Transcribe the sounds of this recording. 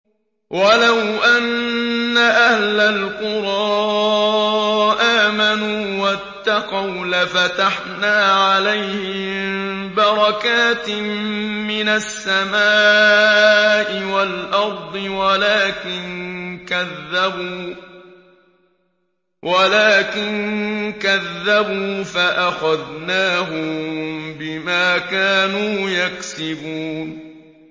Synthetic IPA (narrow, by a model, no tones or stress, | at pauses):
walawʔanːaʔahlalqʊɾˤɑː | ʔaːmanuːwat̪ːɑqɑwlafat̪aħnaːʕalajhɪmm | bɑɾˤɑkaːt̪ | mɪnasːamaː | ʔɪwalʔɑɾˤd̪ˤɨwalaːkɪnkaðːabuː | walaːkɪnkaðːabuːfaʔaxaðnaːɦʊmbɪmaːkaːnuːjaksɪbuːn